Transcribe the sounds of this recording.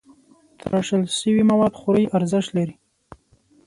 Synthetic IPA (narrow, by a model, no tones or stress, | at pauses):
t̪ʰə̰ɾaʂəlʃəwimawɑd̪xʊɾəjʔaɾzɪʃt̪laɾi